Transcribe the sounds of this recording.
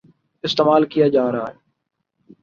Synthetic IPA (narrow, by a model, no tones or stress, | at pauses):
ɪst̪eːmaːlkijaːd͡ʒaːɾaːɦeː